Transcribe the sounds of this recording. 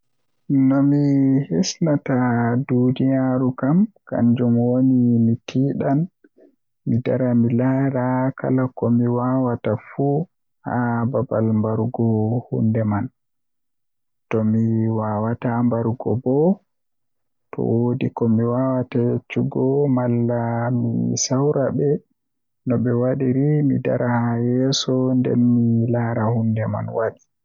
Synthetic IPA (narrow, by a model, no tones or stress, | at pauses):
nɔmihisnatadunijaɾukamka̰nd͡ʒumwonimitʰiːɗan | midaɾamilaɾaka̰lakɔmiwawatafu | ha̰babalmbaɾɡɔhṵndɛman | tɔmiwawatambaɾɡɔ̰bɔ | tɔ̰wodikɔmiwawatat͡ʃuɡɔmalːamḭsawɾabɛ | nɔɓɛwaɗiɾimida̰ɾʔahajɛsɔndɛ̰mːilaɾahundɛma̰nwaɗi